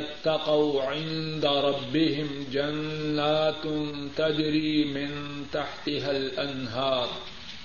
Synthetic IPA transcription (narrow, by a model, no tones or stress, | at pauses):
ɪt̪ːɑqawʕɪnd̪aɾˤɑbːɪɦɪmd͡ʒanːaːt̪ʊnt̪ad͡ʒɾiːmɪnt̪aħt̪ɪɦalʔanɦɑːɾˤ